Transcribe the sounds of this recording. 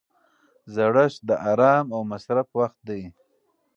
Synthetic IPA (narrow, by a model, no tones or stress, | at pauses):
zaɽaʃd̪əʔɑɾɑːmawmasɾafwaxt̪̚d̪aj